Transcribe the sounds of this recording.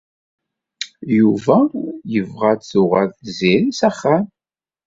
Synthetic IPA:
juvæjəvʁæt̪θʊʁaɾθziɾisæχːam

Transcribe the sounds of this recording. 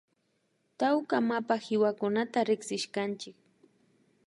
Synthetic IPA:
t̪awkamapahɪwakʊnat̪aɾɪksɪʃkant͡ʃɪk̚

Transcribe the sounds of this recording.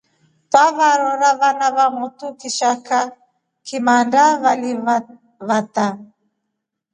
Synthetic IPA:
taβaɾɔɾaβanaβamut̪ukiʃaka | kʰimandaβali | βat̪a

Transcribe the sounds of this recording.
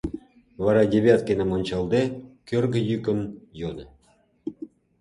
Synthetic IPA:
vɑɾɑdʲeβʲat̪̚kʲenemonʲt͡ɕɑlˠd̪ekʲørɡə̆jykʲə̆njonə̆

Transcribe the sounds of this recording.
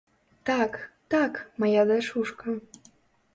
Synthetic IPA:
t̪ɑkt̪ɑkmɑjɑd̪eʃuʃkɑ

